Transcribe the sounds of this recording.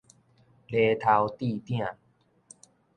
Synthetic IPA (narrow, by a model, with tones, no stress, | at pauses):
le˧t̪ʰa˧wt̪i˥˧t̪jɛ̃˥˩˨